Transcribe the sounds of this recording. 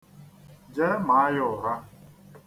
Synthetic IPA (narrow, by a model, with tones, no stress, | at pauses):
d͡ʒe˦ma˨a˦jʊ˦˨ɦa˦